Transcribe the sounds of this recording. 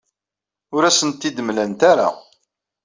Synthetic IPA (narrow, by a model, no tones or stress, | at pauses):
ʊɾæsənt̪ːid̪əmlænt̪aɾa̰